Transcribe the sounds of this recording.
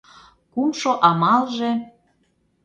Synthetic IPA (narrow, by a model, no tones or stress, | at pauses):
kumʃoʔɑmɑlʒĕ